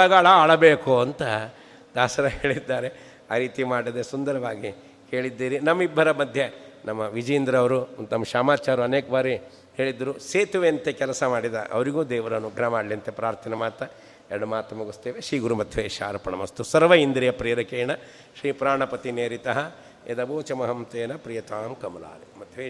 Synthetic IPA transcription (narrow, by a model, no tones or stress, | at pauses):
ɐɡaːɭɐaːɭɐbeːkuɐnt̪ɐ | d̪aːsɐɾɐɦeːɭid̪ːaːɾe | aːɾiːt̪imaːɽid̪esund̪ɐɾɐʋaːɡi | he̞ːɭid̪ːiːɾinɐmːibʱːɐɾɐmɐd̪ʱjenɐmːɐʋid͡ʒɐind̪ɾɐʋɐɾuunt̪ɐmːɐʃaːmaːt͡ʃaːɾuɐneːkɐbaːɾi | heːɭid̪ːɐɾuseːt̪uʋeɐnt̪ekɛlɐsɐmaːɽid̪ɐʔɐ̰ʋɐɾiɡuːd̪eːʋɐɾɐnuɡʱɾɐmaːɽliɐnt̪epɾaːɾt̪ʰɐnɐmaːt̪ɐ | ɛɾɐɽɐmaːt̪ɐmɐɡust̪eːʋeʃɾiːɡuɾumɐt̪ʰʋeːʃa̰ːɾɐpɐɳɐmɐst̪usɐɾʋɐind̪ɾijɐpɾiːɾɐkeːɳɐ | ʃɾiːpɾaːɳɐpɐt̪ineːɾit̪ɐɦɐ | ḛd̪ɐboːt͡ʃɐmɐɦɐmt̪eːnɐpɾijɐt̪aːmkɐmɐla̰ːlemɐt̪ʰʋeː